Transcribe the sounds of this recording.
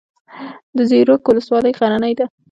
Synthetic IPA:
d̪əzeɾokwʊləswɑləjɣaɾanəjd̪a

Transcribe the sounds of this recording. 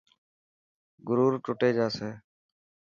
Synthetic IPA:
ɡʊɾuːɾʈʊʈeːd͡ʒaːseː

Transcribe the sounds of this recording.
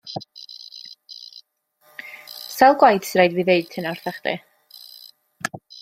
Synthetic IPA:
sɛlˠɡwajd̥sɾejdviːðeɨd̥̚tʰɨnarθaχd̥ɛ̰

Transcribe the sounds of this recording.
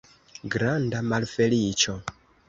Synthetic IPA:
ɡɾandamalfelit͡ʃo

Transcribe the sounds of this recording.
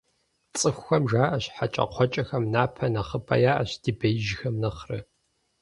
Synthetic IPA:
t͡sʼɨxʷxɐmʒaːʔɐɕħat͡ʃʼɐ̰qʷʰɔt͡ʃʼɐxɐmnaːpʰɐnɐχəpʰɐ̰jaːʔɐ̰ɕd̥ibɐjɪʒxɐmnɐχrɨ

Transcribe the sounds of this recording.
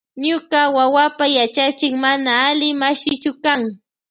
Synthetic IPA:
ɲʊɢawawapajat͡ʃat͡ʃɪkmanaːlɪmaʃɪt͡ʃʊkaŋ

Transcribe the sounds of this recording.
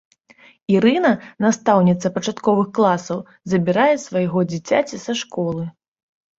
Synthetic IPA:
iɾɨnɐnast̪awnʲit̪sɐpɐt͡ʂat̪kɔvɨxklˠasɐw | zɐbʲiɾajɛsvajɣɔd͡zʲit͡sʲat͡sʲisaʂkɔlˠɨ

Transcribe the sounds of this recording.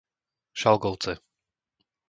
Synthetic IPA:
ʃalˠɡɔwt̪sɛ

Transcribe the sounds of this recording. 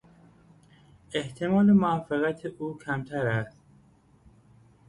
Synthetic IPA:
eht̪ʰemɒːlemoɒːfeɣæt̪ʰeʔuːkʰæmt̪ʰæɾæst̪

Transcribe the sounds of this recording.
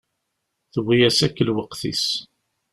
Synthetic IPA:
θəwːijæsækːəlwəqθḭs

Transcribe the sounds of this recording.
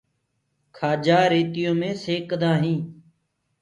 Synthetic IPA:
kʰaːd͡ʒaːɾeːt̪ɪjõːmẽːseːkd̪ãːɦĩː

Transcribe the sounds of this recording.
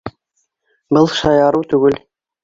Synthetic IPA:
bɤlˠʃɑjɑɾuwt̪ʉɡɘl

